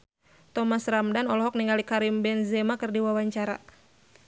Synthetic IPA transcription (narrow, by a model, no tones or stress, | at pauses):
t̪ɔmasramdanɔlɔɦɔk̚niŋalikaɾimbɛnzɛmakɨrdiwawaɲt͡ʃaɾa̰